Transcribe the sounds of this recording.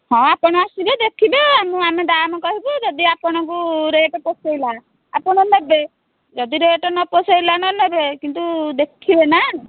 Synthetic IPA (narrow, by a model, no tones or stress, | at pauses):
hɔ̃apɔɽ̃ɔasibed̪ekʰibeamɔ̃amed̪amɔkɔɦibud͡ʒɔd̪iapɔɽ̃ɔ̃ŋk̬uɾeeʈeposejla | apɔɽ̃ɔnebe | d͡ʒɔd̪iɾeeʈɔnɔpɔsejlanɔnebekint̪̬ud̪ekʰibena